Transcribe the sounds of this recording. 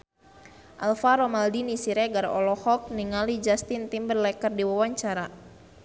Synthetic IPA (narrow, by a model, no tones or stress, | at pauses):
ʔalfaɾɔmaldinisiɾɛɡaɾɔ̰lɔhɔk̚niŋalid͡ʒast̪int̪imbərlɛkərdiwawaɲt͡ʃaɾa